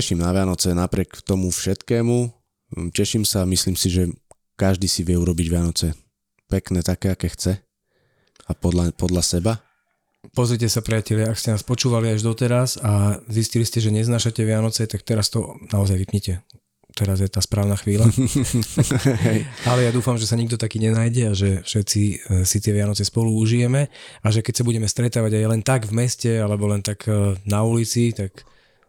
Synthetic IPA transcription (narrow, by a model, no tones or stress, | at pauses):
ɛʃimnaʋɪanɔt͡sɛnapɾɪɛkt̪ɔmufʃɛt̪kɛːmu | cɛʃimsamisliːmsiʒɛ | kaʒd̪iːsiʋɪɛuɾɔbiɟʋɪanɔt͡sɛ | pɛknɛːt̪akɛːakɛːxt͡sɛ | apɔd̪lapɔd̪lasɛba | pɔzɾicɛsapɾɛjacɛlɪaakscɛnaːspɔt͡ʃuːʋaliaʒd̪ɔt̪ɛɾasazisciliscɛʒɛɲɛznaːʃacɛʋɪanɔt͡sɛt̪ak̚t̪ɛɾast̪ɔnaɔzajʋipɲɛcɛ | t̪ɛɾazjɛt̪aːspɾaːʊnaxʋiːla | ɛjalɛjad̪uːfamʒɛsaɲiɡ̚d̪ɔt̪akiːɲɛnaːjɟɛaʒɛfʃɛt̪t͡sisit̪ɪɛʋɪanɔt͡sɛspɔluuʒijɛmɛaʒɛkɛcsabuɟɛmɛst̪ɾɛt̪aːʋaɟajlɛnt̪aɡvmɛscɛalɛbɔlɛnt̪aɡnaulit͡sit̪ak